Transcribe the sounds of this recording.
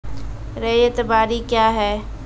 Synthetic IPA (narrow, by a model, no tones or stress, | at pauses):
ɾeet̪əbaːɾikjaːɦɛː